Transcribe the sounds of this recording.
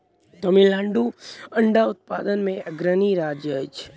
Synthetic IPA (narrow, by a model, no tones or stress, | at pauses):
d͡ʒ̪əmilãɳɖuəɳɖaʊt̪̚pad̪ənmẽɡɾəniɾad͡ʒəjt͡ʃʰe̥